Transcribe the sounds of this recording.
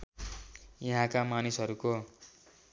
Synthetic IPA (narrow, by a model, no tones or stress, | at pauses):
jʌɦãkamanisɦʌɾuko